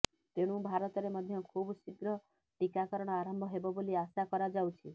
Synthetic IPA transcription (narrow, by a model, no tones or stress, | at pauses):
t̪eɽ̃ũbʱaɾɔt̪ɔɾemɔd̪ʱjɔkʰubsikɾɔ | ʈikakɔɾɔɽ̃ɔaɾɔmbʱɔɦebɔboliasakɔɾad͡ʒawt͡ʃʰi